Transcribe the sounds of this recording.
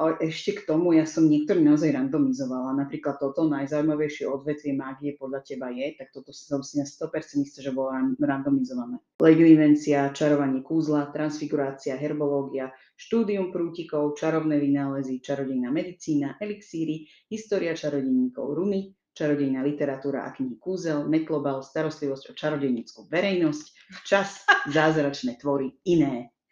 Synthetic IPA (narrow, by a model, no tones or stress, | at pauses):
alɛʔɛʃcɛkt̪ɔmujasɔmɲɛk̚t̪ɔɾiːnaɔzajɾand̪ɔmizɔʋalanapɾiːklat̪ːɔt̪ɔnajzaːuimaʋɛjʃɪɛɔd̪ʋɛt̪ʋɪɛmaːɡjɛpɔd̪ʎacɛbajɛt̪ak̚t̪ɔt̪ɔsḁzasɛnast̪ɔpɛɾt͡sɛnist̪aʒɛbɔlɔaɾand̪ɔmizɔʋanɛː | lɛɡliʋɛnt͡siat͡ʃaɾɔʋaɲɪɛkuːzlat̪ɾansfiɡuɾaːt͡siaɦɛɾbɔlɔːɡia | ʃt̪uːd̪iumpɾuːcikɔʊt͡ʃaɾɔʊnɛʋinaːlɛzit͡ʃaɾɔɟɛjnamɛd̪it͡siːnaʔɛliksiːɾi | ɦist̪ɔːɾiat͡ʃaɾɔɟɛɲiːkɔ̰ʊɾumi | t͡ʃaɾɔɟɛjnaːlit̪ɛɾat̪uːɾa̰ʔa̰kɲiɦikuːzɛlmɛt̪lɔbalst̪aɾɔst̪liʋɔzcɔt͡ʃaɾɔɟɛɲɛt͡skuːʋɛɾɛjnɔsc | t͡ʃasazaːzɾat͡ʃnɛːt̪ʋɔɾiinɛː